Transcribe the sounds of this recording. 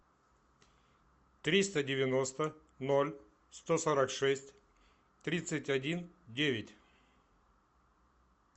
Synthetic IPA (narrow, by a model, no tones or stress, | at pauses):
t̪ɾʲist̪ədʲɪvʲɪnost̪ə | nolʲ | st̪osɐɾakʂɛsʲtʲ | t̪ɾʲit̪sɨtʲɐdʲin | dʲevʲɪtʲ